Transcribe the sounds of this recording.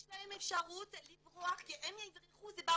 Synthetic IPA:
ʃlahemefʃaʁut̪livʁoaχkiʔemjaizʁiχuzeba

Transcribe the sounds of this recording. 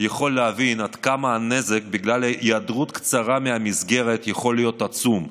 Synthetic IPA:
jaχo̞lːeavinad̪kamaane̞zekbiɡlaljad̪ʁut̪kt͡saʁameamizɡe̞ʁe̞t̪jaχo̞lːijo̞t̪at͡sum

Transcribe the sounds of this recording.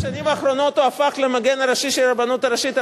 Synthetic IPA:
ʃanimaːχɾo̞no̞t̪uafaχlemaɡenaɾaʃiʃelabanut̪aɾaʃit̪

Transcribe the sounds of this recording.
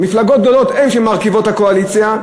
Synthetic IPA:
miflaɡot̪̚ɡ̚d̪o̞lot̪emʃemaʁkivo̞t̪hakoalit͡sja

